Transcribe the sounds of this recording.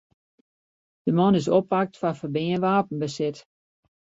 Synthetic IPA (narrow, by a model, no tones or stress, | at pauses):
d̥əmɔnɪsɔpak̚tfafərbɪənʋaːpən̩bəsɪt